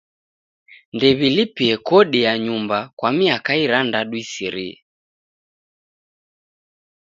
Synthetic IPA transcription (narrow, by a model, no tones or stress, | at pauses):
ndɛβilipiɛkɔɗiaɲumbakwamiakaiɾandaɗuisiɾḭɛ̰